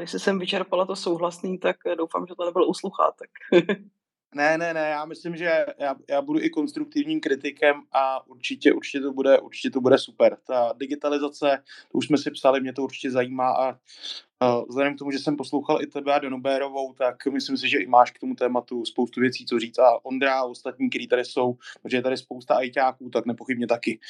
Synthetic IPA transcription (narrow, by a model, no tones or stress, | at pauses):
nɪʃsɪsɛmvɪt͡ʃɛɾpalat̪osowɦlasniːt̪akdowfa̰ːmʒɛt̪onɛbɪlousluxa̰t̪ːḁk | nɛnɛnɛjaːmɪslɪmʒɛjaːjaːbuduʔɪko̞nst̪ɾuk̚t̪ɪvɲiːmkɾɪt̪ɪkɛmʔaʔuɾt͡ʃɪcɛʔuɾt͡ʃɪ̥cɛt̪o̞budɛʔṵɾt͡ʃɪ̥cɛt̪obudɛsupɛɾt̪adɪɡɪt̪alɪzat͡sɛt̪oʔuʃsmɛsɪpsalɪmɲɛt̪̬o̞uɾt͡ʃɪ̥cɛzajiːmaːʔa | vzlɛdɛmkt̪o̞muʒɛsɛmposlowxalʔɪt̪ɛbɛadonobɛːɾo̞vo̞wt̪akmɪslɪms̬ɪʒɛʔɪmaːʃk̚t̪omut̪ɛːmat̪uspowst̪uvjɛt͡siːt͡soriːt͡saʔo̞nd̪ɾaost̪at̪̚ɲiːkt̪ɛɾiːt̪adɾɪso̞wpoʒɛjɛt̪aɾɪspowst̪aʔajcaːkuːt̪aknɛpo̞xɪbɲɛt̪akɪ